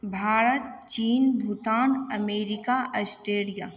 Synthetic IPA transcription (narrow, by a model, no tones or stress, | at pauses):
bʱaːɾət̪̚t͡ʃiːnbʱut̪aːnɐmeːɾɪkaʔəsʈeːɽija